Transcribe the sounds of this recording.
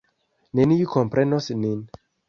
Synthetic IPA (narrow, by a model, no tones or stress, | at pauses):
nenijukʰɔ̃mpɾɛnɔsinin